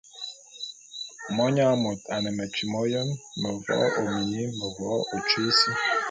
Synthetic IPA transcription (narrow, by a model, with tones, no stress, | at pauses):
mɔ˦ɲa˦mo˨t̪a˨nɛ˨mɛ˨t͡ʃi˨mɔ˦jɔ˦nmə˨vɔ̰˦o˨m˨ɲi˦mə˨vɔ˨˦o˨t͡ʃe˦si˦